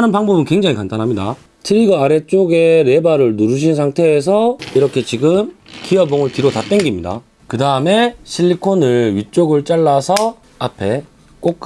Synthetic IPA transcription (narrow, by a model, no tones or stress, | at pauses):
anɯnpaŋbʌbɯnkwe̞ŋd͡ʑaŋikantanɦamɲida̰ | tʰɯɾiɡʌaɾe̞t͡ɕ͈oɡe̞ɾe̞baɾɯɭnuɾuɕ̬ʰinsʰaŋtʰe̞ːsʰʌiɾʌkʰe̞t͡ɕiɡɯmkiʌboŋɯɭtiɾotat͈enɡimɲida̰ | kɯdaɯme̞ɕʰiʎːikʰonɯɭɥit͡ɕ͈oɡɯɭt͡ɕ͈aɭːasʰʌ | apʰe̞ | k͈ok͈